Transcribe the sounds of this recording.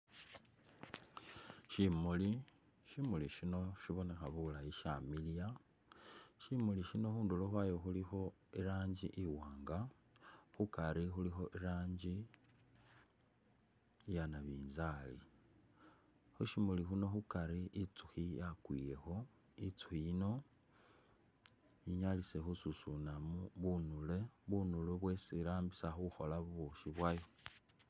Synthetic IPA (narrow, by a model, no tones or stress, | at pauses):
ʃimuli | ʃimuliʃino̞ʃiβo̞ne̞xaβulaiʃamilija | ʃimuliʃino̞xuːnduloxwajoxulixo̞ | iɾaːɲɟḭʔiwaːŋɡa | xukaɾixulixo̞ʔiɾaːɲɟi | janaβiːnzalḭ | xuʃimulixuno̞xukaɾiʔit͡suxijakwije̞xo̞ | it͡su̥xiino | iɲalisexususunamuβunule̞βunuluβwe̞siɾaːmbisaxuxo̞laβuβuʃiβwajo